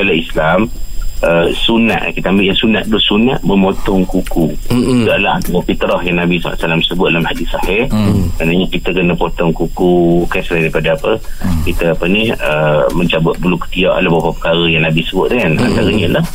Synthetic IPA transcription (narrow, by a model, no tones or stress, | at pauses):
ɡalaislaməsuna̰ʔ̪kit̪aambɪʔjaŋsunaʔ̪̚dʊhsunaʔ̪̚məmot̪ɔŋkukudalahaɔpit̪əɾɔhjaŋnabisa̰la̰ʔ̪salamsəbʊt̪̚dalamhadisahɪhmanaɲakit̪əkənəpɔt̪ɔŋkukukansəlajdejpadaːpəkit̪əapəniəməɲt͡ʃabʊt̪̚bəlukə̥t̪iaʔa̰labapapə̥kaɾəjaŋnabisəbʊt̪̚dəŋana̰nt̪aɾəɲəlah